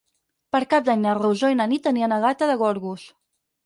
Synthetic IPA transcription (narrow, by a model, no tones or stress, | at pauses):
pəɾkap̚d̪aɲnərewʒoinənit̪ːəniənəɣat̪əðəɣɔɾɣus